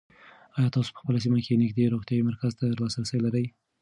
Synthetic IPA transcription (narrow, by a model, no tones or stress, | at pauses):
ɑjɑt̪ɑso̥pə̥xpəlas̬imakenɪɡd̪eɾoxt̪jɑwimaɾkazt̪ad̪ɾlɑsalsəwlaɾəj